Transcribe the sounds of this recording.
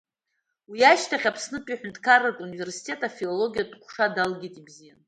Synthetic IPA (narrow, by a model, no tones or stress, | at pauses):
wiaʃtʰaχʲapʰsnɨpʼiħᶣʏntʰʼkʰaratʼunive̞rsi̥tʰʲʼe̞tʼafilolo̞ɡʲijadʼqʷʰʂadalɡʲitʼibzijan